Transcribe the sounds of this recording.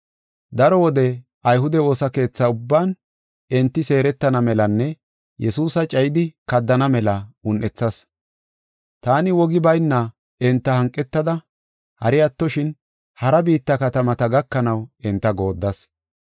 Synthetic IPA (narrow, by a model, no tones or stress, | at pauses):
d̪ɐɾɔwɔd̪ɛ | ɐjɦʊd̪ɛo̞ːsɐke̞ːt͡sːɐʊbːaːn | ɛnt̪ːɪse̞ːɾɛt̪ːɐnɐmɛlɐnːɛ | jʔɛsuːsɐt͡ʃʼɐjɪd̪ɪkɐd̪ːɐnɐmɛlɐʊnʔɛt͡sːɐs | t̪aːnɪwɔɡɪbɐjnːɐ | ɛnt̪ːɐhɐŋkʼːɛt̪ːɐd̪ɐ | hɐ̰ɾɪjɐt̪ːɔʃɪn | hɐɾɐbiːt̪ːɐkɐt̪ɐmɐt̪ɐɡɐkːɐnɐwɛnt̪ːɐɡo̞ːd̪ːɐs